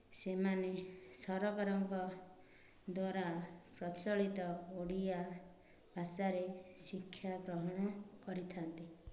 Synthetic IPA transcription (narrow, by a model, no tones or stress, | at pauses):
semanesɔɾɔkaɾɔŋkɔ | d̪waɾapɾɔt͡ʃɔɭit̪ɔoɽia | bʱasaɾesikʰːjaɡɾɔɦɔɽ̃ɔkɔɾit̪ʰant̪i